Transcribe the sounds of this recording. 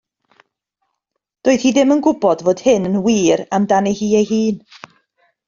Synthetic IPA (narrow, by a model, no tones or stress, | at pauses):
d̥oːɨð̥hiːðɪmənɡʊbɔdvoːd̥hɪnənwiːɾamdanihiːejɦiːn